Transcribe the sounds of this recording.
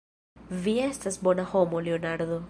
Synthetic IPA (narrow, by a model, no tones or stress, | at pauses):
viest̪asbonahomoleonaɾd̪o